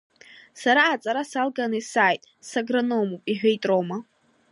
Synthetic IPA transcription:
saɾaːt͡sʼaɾasalɡanɨsaːjtʼ | saɡranomupʼiħᶣʷejtʼrowma

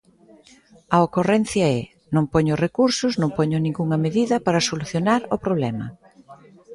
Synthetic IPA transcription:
ɐokorɛnθjɐɛ | nõŋpoɲʊrekuɾsʊznõŋpoɲʊnĩŋɡuŋɐmeðiðɐpaɾɐsoluθjonaɾʊpɾoβ̞lɛmɐ̰

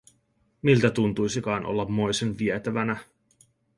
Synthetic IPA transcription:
milt̪æt̪unt̪ujsikɑinʔo̞̰lːɑmːo̞jsenʋiet̪æʋænæ

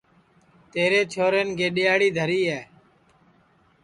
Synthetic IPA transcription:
t̪eːɾeːt͡ʃʰoːɾeːnkʰeːɗɪjaːɽiːd̪ʱəɾiːɛː

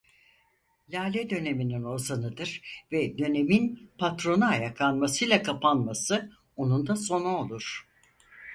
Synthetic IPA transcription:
lʲaːlʲɛd̪ø̞ne̞minino̞zanɯd̪ɯɾvɛd̪ø̞ne̞minpʰat̪ɾo̞naːjaklˠanmasɯjlˠakʰapʰanmasɯ | o̞nund̪aso̞naolˠuɾ̥

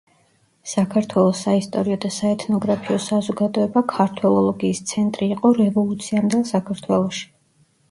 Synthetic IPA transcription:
sakʰaɾt̪ʰwɛlˠɔsːaist̪ʼɔɾiɔd̪asaɛt̪ʰnɔɡɾapʰiɔsazɔɡad̪ɔɛbakʰaɾt̪ʰwɛlˠɔlˠɔɡiːst̪sʰɛnt̪ʼɾiːqʼɔɾɛvɔlˠut̪sʰiamd̪ɛlˠsakʰaɾt̪ʰwɛlˠɔʃi̥

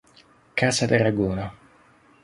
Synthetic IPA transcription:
kasad̪eraɡuːna

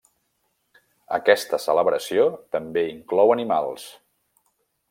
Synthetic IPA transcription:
ə̰kɛst̪əsələβɾəsiot̪əmbeiŋklɔwənimalˠs

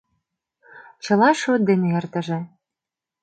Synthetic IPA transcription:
t͡ɕɤ̆lɑʃot̪̚d̪eneert̪ə̆ʒĕ

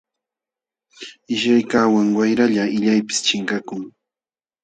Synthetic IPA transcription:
ɪʃajkawaŋwajɾaʎaɪʎajpɪ̥st͡ʃɪŋkakʊŋ

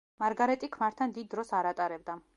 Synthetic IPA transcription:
maɾɡaɾɛt̪ʼikʰmaɾt̪ʰand̪id̪̚ːɾɔsaɾat̪ʼaɾɛbd̪a

